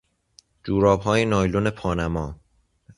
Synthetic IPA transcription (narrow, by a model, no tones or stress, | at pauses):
d͡ʒuːɾɒːbɦɒːjenɒːjlone̞pʰɒːnæmɒː